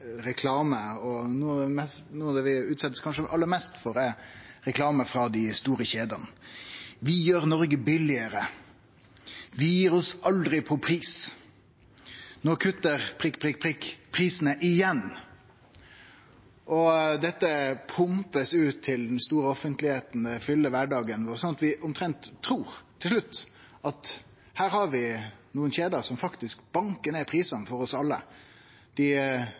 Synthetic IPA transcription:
ɾɛkʰlɑːməɔnuːɑd̪ɛmɛsnuːɑd̪ɛʋɪʉːt̪sɛt̪ːəskʰɑnʂəʔɑlːəɾmɛst̪fɔɾɛɾɛkʰlɑːməfɾɑd̪ɪst̪uːɾəçeːd̪ɑn | ʋɪjøːɾnɔɾɡəbɪlɪəɾə | ʋɪjiːɾɔsʔɑld̪ɾɪpʰɔpʰɾiːs | nɔkʰʉt̪ːəɾpʰɪpʰɾɪpʰɪkpʰɾiːsənəʔɪjɛn | ʔɔd̪ɛt̪ːəpʰʊmpəsʉːt̪ʰːɪld̪ɛnst̪uːɾəɔfənt̪lɪheːt̪n̩d̪ɛfʏlːəʋæɖɑːɡənʋɔɾsɔnɑt̪ʋɪʔʊmt̪ʰɾɛnt̪ʰːɾuːɾt̪ʰːɪlʂ̬ɭʉt̪ː | ʔɑt̪ | hæːɾhɑɾʋɪnuːənçeːd̪əɾsɔmfɑkt̪ɪskb̥ɑŋkəɳeːpʰɾiːsɑnfɔɾɔsɑlːə̰ | d̪̥ɪ

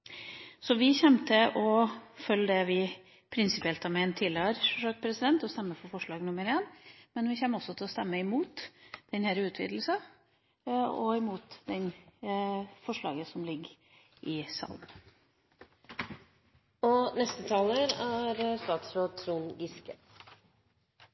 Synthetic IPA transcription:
sɔʋɪçɛmt̪əʔɔfœlːəd̪ɛʋɪ | pʰɾɪnsɪpɪɛlt̪ɑmɛnt̪ʰɪløɾfɔʂɑɡpʰɾɛsɪd̪ɛnt̪ɔst̪ɛmːəfɔɾfɔʂɭɑːɡnʊməɾeːnmɛnʋɪçɛmːəɾɔsːɔt̪ʰɪlɔst̪ɛmːəɪmuːt̪d̪̥ɛnhɛɾəʉːt̪ʰʋḭːd̪l̩sɑ | ɔɪmuːt̪d̪ɛn | fɔʂɭɑ̰ːɡəsɔmlɪɡ | ʔɪsɑ̰lm | ɔnɛst̪ət̪ʰɑːləɾæɾst̪ɑːt̪sɾoːd̪̚t̪ʰɾuːnɡɪskə

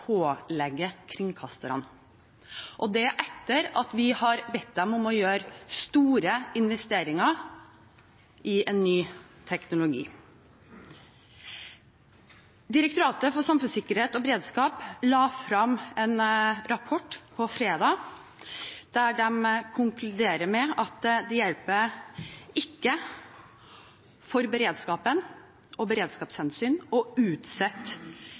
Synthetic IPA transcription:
pʰoːlɛɡːəkʰɾɪŋkʰɑst̪əɾə̰n | ʔɔd̪ɛʔɛt̪ːəɾɑt̪ʋɪhɑɾbɛt̪̚d̪ɛmʊmɔjøːɾst̪uːɾəɪnʋɛst̪eːɾɪŋɑ | ɪɛnːyː | t̪ʰɛknʊlʊɡḭː | d̪ɪɾək̚t̪ʊɾɑːt̪əfɔsɑmfʉnsɪkːəɾheːt̪ɔbɾeːd̪skɑːplɑːfɾɑmɛnɾɑpʰɔʈːpʰɔfɾeːd̪ɑː | d̪̥æɖɛmkʰʊŋklʉd̪eːɾəmɛɑt̪d̪ɛjɛlpə | ɪkːə | fɔɾbəɾeːd̪skɑːpən | ɔbəɾeːd̪skɑːpshɛnsyːnɔʉːt̪sɛt̪ː

